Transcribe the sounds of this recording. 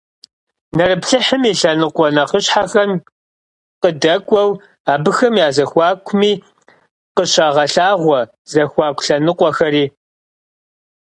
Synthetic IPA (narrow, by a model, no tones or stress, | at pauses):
nɐrɨpɬɨħəmiːɬɐnɨqʷɔnɐqəɕħaxɐn | qədɐkʷʼɔw | aːbɨxɐmjaːzɐxʷɑːkʷʰmiː | qəɕaːʁɐɬaːʁʷɔ | z̥ɐxʷɑːkʷʰʼɬɐnɨqʷɔxɐɾiː